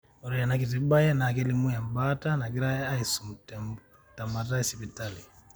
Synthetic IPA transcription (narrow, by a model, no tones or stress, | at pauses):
ɔɾijanak̬it̬ibajanaːkɛlimujambatanaɡiɾajaaisumt | tamatasipitali